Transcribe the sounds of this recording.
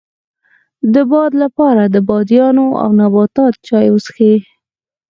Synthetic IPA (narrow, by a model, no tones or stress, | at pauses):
d̪əbɑd̪lapɑɾad̪əbɑd̪jɑnoa̰wnabɑt̪ɑt̪̚t͡ʃɑjwəsxe